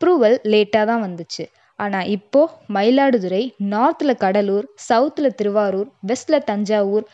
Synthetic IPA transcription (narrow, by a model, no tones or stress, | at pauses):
ɐpɾuːʋɐlːeːʈːaːt̪ãːʋɐnd̪ɯt͡ʃːɯ | aːnaːʔɪpːoːmɐɪlaːɽɯðɯɾɐɪnaːɾt̪ɪlɐkɐɽɐluːɾsɐʊt̪ːɪlɐt̪ɪɾɯʋaːɾuːɾʋɛslɐt̪ɐɲd͡ʒaːʋuːɾ